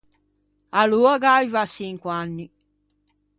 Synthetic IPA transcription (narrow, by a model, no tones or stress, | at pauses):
aluaɡajvasiŋkwanːi